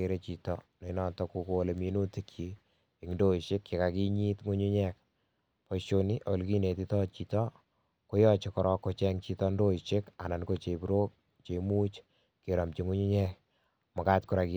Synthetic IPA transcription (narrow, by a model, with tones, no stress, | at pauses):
e˨ɾe˦t͡ʃi˨tɔne˨nɔ˨tɔku˨ko˨le˨mi˦nu˦ti˦kt͡ʃiː˨ | ŋdo˦i˨ʃɪ˦kːɪ˨ka˨ki˦ɲi˦tŋu˦ɲu˦ɲɛk̚ | pɔʃoni˦ʔo˨lki˦ne˨ti˦tɔ˦t͡ʃi˨tɔ | ko˦jɔ˦t͡ʃe˨kɔɾɔ˦kːo˨t͡ʃɛŋt͡ʃi˦tɔndo˦i˨ʃɪ˦ka̰˨na˨nko˦˨t͡ʃe˨bɾo˦k̚ | t͡ʃe˨mu˦t͡ʃ | ke˨ɾɔ˨mt͡ʃi˦ŋu˦ɲu˦ɲɛ˦k̚ | mɔ˨ka˦tkʊ˦ɾa˨ki˨